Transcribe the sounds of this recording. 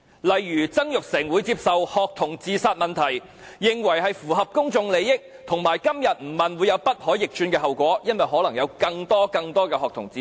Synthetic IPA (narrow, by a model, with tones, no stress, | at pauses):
lɐ˨jːyː˨˩t͡sɐ˥ŋjʊ˨k̚sɛː˨˩ŋwuː˨˧jt͡siː˧p̚sɐ˨whɔː˨k̚t̪ʰʊ˨˩ŋt͡siː˨˧saː˧t̚mɐ˨nt̪ʰɐ˨˩jː | ɪ˨ŋwɐ˨˩jɦɐ˨jfuː˨˩ɦɐ˨p̚kʊ˥ŋt͡sʊ˨˧ŋle˨˧jɪ˥k̚ | t̪ʰʊ˨˩ŋmaː˨˩jkɐ˥mjɐ˨t̚m̩˨˩mɐ˨nwuː˨˧jɐ˨˧wpɐ˥t̚hɔː˨˥jɪ˨k̚t͡ʃyː˧nkɛː˧hɐ˨wkʷɔː˨˥jɐ˥nwɐ˨jɦɔː˨˥lɐ˨˩ŋjɐ˨˧wkɐ˧ŋt̪ɔː˥kɐ˧ŋt̪ɔː˥kɛː˧hɔː˨k̚t̪ʰʊ˨˩ŋt͡siː˨